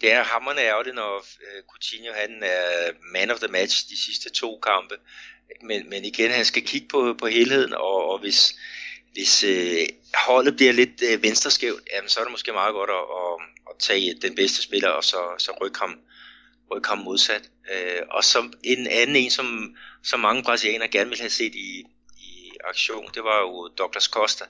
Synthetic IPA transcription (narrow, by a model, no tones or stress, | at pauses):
d̥e̝æɐɦɑmɐnəæɐlinɒøkʰut͡sʰinjo̝ɦænæɐmænɒfðəmæd̥ɕd̥isisd̥ət͡sʰo̝̰ːkʰɑ̈mb̥ə̥menmeniɡ̥enhænsɡ̥ækʰiɡ̥ə̥pʰɒ̽pʰɒ̽ɦe̝ːlhe̝ð̰ˠn̩ɒ̽ːʋe̝s | ʋe̝sø | hɒ̽l̰ð̩ˠb̥liɐle̝d̥̚ʋensd̥ʁɐsɡ̥eʊ̰d̥jæmənsɒ̽ɐɾe̝mosɡ̥e̝̰ːmɑ̈ːðˠɡ̥ɒ̽ɾ̥ɒʔːt͡sʰɛ̰ːd̥enb̥esd̥əsb̥e̝lɐɒsɒ̽sɒ̽ʁœɡ̥hɑ̈m | ʁœɡ̥hɑ̈mːo̝ð̞ˠsæd̥ | øɒ̽sɒ̽e̝nænn̩ˠe̝̰ːnsɒ̽msɒ̽mːɑ̈ŋəpʰʁɑsiḛŋɐɡ̥æɐnəʋe̝lhæse̝̰ːd̥iː | ɑ̈ɡ̥ɕo̝̰ːn̩d̥e̝ʋɑ̈jo̝d̥ɒ̽ɡ̥lɐskʰɒsd̥æ